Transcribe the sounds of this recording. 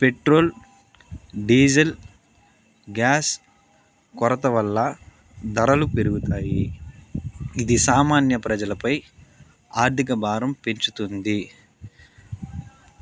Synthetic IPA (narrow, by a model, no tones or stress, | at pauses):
pe̞ʈɾo̞ːl | ɖiːd͡ʒɐl | ɡjaːs | kɔɾɐt̪ɐʋɐlːɐ | d̪ɐɾɐlupeɾuɡut̪aːji | d̪isaːmaːnjɐpɾɐd͡ʒɐlɐpɐj | aːɾt̪ʰikɐbʱaːɾɐmpeɲt͡ʃut̪und̪i